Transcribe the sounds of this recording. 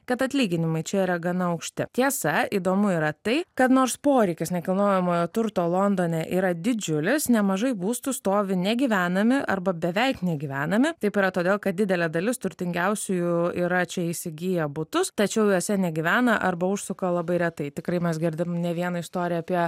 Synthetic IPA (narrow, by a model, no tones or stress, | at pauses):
kɐt̪ɐt̪ʲlʲiːɡʲɪnʲɪmɐɪt͡ʃʲɛiːɾɐɡɐnɐɐʊkʃʲt̪ʲɪt̪ʲiɛsɐiːd̪oːmʊiːɾɐt̪ɐɪkɐt̪noːɾspoːɾʲɛɪkʲɪsnʲɛkɐlˠnoːjɛmoːjoːt̪ʊɾt̪oːlˠoːnd̪oːnʲeʔḭːɾɐd̪ʲɪd͡ʒʲʊlʲɪsnʲɛmɐʒɐɪbuːst̪ʊst̪oːʋʲɪnʲɛɡʲiːʋʲæːnɐmʲɪʔɐɾbɐbʲɛʋʲɛɪknʲɛɡʲiːʋʲæːnɐmʲɪt̪ɐɪpiːɾɐt̪oːd̪ʲeːlˠkɐt̪̚dʲɪd̪ʲɛlʲɛd̪ɐlʲɪst̪ʊɾʲt̪ʲɪŋʲɡʲɛʊsʲʊjʊiːɾɐt͡ʃʲɛisʲɪɡʲijɛbʊt̪ʊst̪ɐt͡ʃʲɛʊjoːsʲɛnʲɛɡʲiʋʲæːnɐʔɐɾbɐʊʃsʊkɐlˠɐbɐɪɾʲɛt̪ɐɪt̪ʲɪkɾɐɪmʲɛsɡʲɪɾʲd̪ʲɪnʲɛʋʲiɛnɐɪst̪oːɾʲɪjɛːpʲiɛ